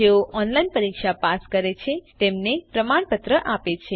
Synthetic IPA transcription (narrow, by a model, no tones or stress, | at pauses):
eoʔɔnlainpəɾikʃapaskəɾet͡ʃʰet̪emnepɾəmaɳpət̪ɾəʔapet͡ʃʰe